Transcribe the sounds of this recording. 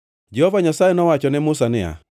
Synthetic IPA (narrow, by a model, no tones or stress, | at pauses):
d͡ʒɛhɔvaɲasajɛnɔwat͡ʃɔnɛmʊsanɪa̰